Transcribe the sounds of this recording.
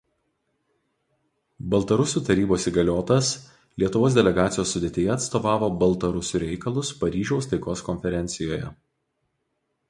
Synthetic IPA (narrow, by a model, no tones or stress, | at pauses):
bɐlˠt̪ɐɾʊsʲuːt̪ɐɾʲiːboːsiːɡɐlʲoːt̪ɐs | lʲiɛt̪ʊʋoːs̬d̪ʲɛlʲɛɡɑːt̪sʲɪjoːsːʊd̪ʲeːt̪ʲejɛːt̪st̪oːʋɑːʋoːbɐlˠt̪ɐɾʊsʲuːɾʲɛɪkɐlˠʊspɐɾʲiːʒʲɛʊst̪ɐɪkoːskɔnʲfʲɛɾʲɛˑnʲt̪sʲɪjoːjɛ̰